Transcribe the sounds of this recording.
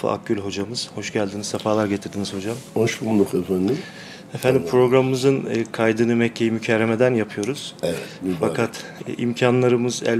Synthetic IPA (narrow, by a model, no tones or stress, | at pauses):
ɯ̰a̰k̚ːylʲɦo̞d͡ʒamɯz̥ho̞ʃɟælʲd̪inizsafaːlˠaɾɟet̪ʰiɾd̪inizho̞d͡ʒamoʃbund̪ˠukefænd̪im | efænd̪impʰɾo̞ɡɾamɯmɯzɯnːkʰajd̪ɯnɯmɛcʰːejimycʰɛɾːeme̞d̪ænjapʰɯjo̞ɾuz̥ɛfakʰat̪ːḭmcʰanlˠaɾɯmɯzæ̰l